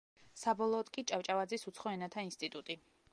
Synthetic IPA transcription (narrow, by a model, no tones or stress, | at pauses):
sabɔlˠɔːd̪kʼit͡ʃʼaft͡ʃʼavad̪zisut̪sʰχɔɛnat̪ʰainst̪ʼit̪ʼut̪ʼi